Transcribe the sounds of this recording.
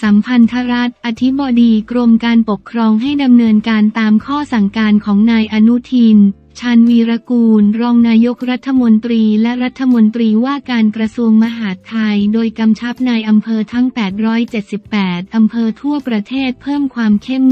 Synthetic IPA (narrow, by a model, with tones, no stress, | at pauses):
sa˩˦mpʰa˧nt̪ʰa˦˥ɾa˦˥t̪̚ʔa˧t̪ʰi˦˥bɔː˧diː˧kɾo˧mkaː˧npo˨˩kʰːɾɔː˧ŋɦa˥˩jda˧mnɤː˧nkaː˧nt̪aː˧mkʰɔː˥˩sa˨˩ŋkaː˧nkʰɔː˩˦ŋnaː˧jʔa˧nu˦˥t̪ʰiː˧n | t͡ɕʰaː˧nwiː˧ɾa˧kuː˧nɾɔː˧ŋnaː˧jo˦˥k̚ɾa˦˥t̪ʰːa˧mo˧nt̪ɾiː˧lɛ˦˥ɾa˦˥t̪ʰːa˧mo˧nt̪ɾiː˧waː˥˩kaː˧nkɾa˧su˧əŋma˧ɦaː˩˦t̪ʰːa˧jdoː˧jka˧mt͡ɕʰa˦˥p̚naː˧jʔa˧mpʰɤː˧t̪ʰa˦˥ŋpɛː˨˩t̪̚ɾɔː˦˥jt͡ɕe˨˩t̪̚si˨˩pːɛː˨˩t̪̚ʔa˧mpʰɤː˧t̪ʰu˥˩ɐpɾa˧t̪ʰeː˥˩t̪̚pʰɤː˥˩mkʰwaː˧mkʰe˥˩m